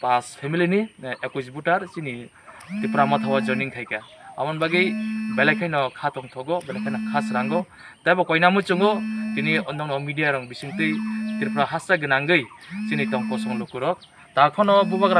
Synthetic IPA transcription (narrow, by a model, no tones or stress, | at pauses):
paspʰemiliniekuzbutaɾt͡ʃini | tipɾamɔt̪ʰawazɔniŋkʰajka | a̰mɔnbaɡɯjbelajkʰajnɔkʰatɔŋt̪ʰɔɡɔbelajkʰajnɔkʰasɾaŋɡɔ | tajbɔkɔjnamɯt͡ʃɯŋɔtiniɔnɔŋnɔmidijaɾɔŋbisiŋtɯjtiɾpɾaɦasaɡɯnaŋɡɯjt͡ʃinitɔŋkɔsɔŋlɔkɯɾɔk̚ | takʰɔnɔbubaɡɾa